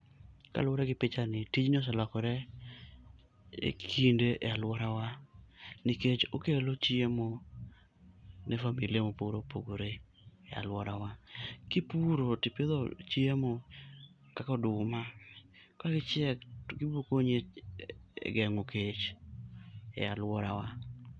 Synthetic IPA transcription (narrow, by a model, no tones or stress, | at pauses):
ka̰lɔɾɛɡɪpɪt͡ʃanɪtit͡ʃɲɔs̬alɔkɔɾɛ | ḛkʰindeʔɛalwɔɾawa | nɪket͡ʃokelot͡ʃjemo | nɛfamiliemopoɾopoɡoɾe | a̰lwɔɾawakɪpuɾotɪpeðot͡ʃjemo | kakɔdʊmakaɡɪt͡ʃɪɛkɡɪbokoɲe | ɛ̰ɡɛŋoket͡ʃ | ɛ̰alwɔɾawa